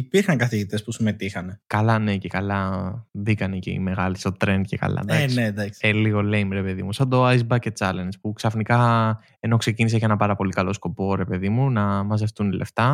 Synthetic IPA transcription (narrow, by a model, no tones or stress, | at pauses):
ipiɾxɐŋkɐθiʝit̪e̞spusume̞t̪ixɐnekɐlɐne̞cekɐlɐðikɐneceḭme̞ɣɐlist̪o̞t̪ɾe̞nd̪̚cekɐ̰lɐ̰d̪ɐsned̪ɐkseliɣo̞lejmɾe̞pe̞ðḭmusɐnd̪oɐizbɐce̞t͡sɐlenspuksɐfnikɐ | e̞no̞kse̞cinis̬ecenɐpɐɾɐpo̞likɐlo̞sko̞po̞ɾe̞pe̞ðimunɐmɐze̞ft̪unilʔe̞̰ft̪ɐ